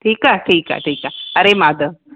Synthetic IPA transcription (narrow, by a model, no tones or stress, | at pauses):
ʈʰiːkaʈʰiːka̰ʈʰiːkaɐɾemaːd̪ə